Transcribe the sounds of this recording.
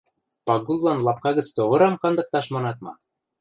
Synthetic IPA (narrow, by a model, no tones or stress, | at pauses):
pɑɡullɑnlɑp̚kɑɣə̆t͡st̪oɣɤ̆ɾɑmkɑnd̪ɤ̆k̚t̪ɑʃmɑnɑt̪mɑ̰